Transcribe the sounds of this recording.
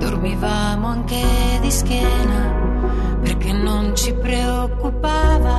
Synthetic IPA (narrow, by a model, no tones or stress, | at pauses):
d̪̥ormivaːmoaŋked̪isk̟jɛːna | perkenːont͡ʃipɾe | okːupaːva